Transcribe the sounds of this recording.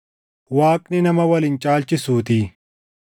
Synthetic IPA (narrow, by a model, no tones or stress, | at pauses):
waːkninɐmɐwɐlint͡ʃaːlt͡ʃisuːt̪iː